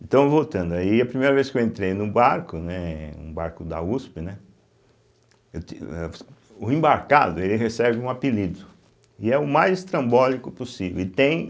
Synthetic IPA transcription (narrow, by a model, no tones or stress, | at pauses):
ẽt̪ɐ̃w̃vowt̪ɐ̃nd̪ʊaiɐpɾimejɾɐveskewẽnt̪ɾejnʊbaɾkʊnɛṵ̃baɾkʊd̪a̰uspɪnɛ | ewt̪iɛ | ʊẽbaɾka̰d̪ʊelɪhesɛbɪũapilid̪ʊ | ɪɛʊmajzɪst̪ɾɐ̃mbɔlikʊposivḛwɪt̪ẽj̃